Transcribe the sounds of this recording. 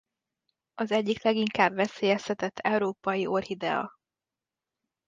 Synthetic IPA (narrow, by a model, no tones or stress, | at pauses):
ɒzɛɟːiklɛɡiŋkaːbʋɛseːjɛst̪ɛt̪ɛt̪ʰːɛuɾoːpɒjiʔo̞rhid̪ɛ̰ɒ̰